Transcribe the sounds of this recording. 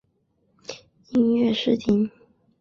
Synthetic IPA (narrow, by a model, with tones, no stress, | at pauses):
i˥ŋɥɛ˥˧ʂɻ̩˥˩t̪ʰi˧˥ŋ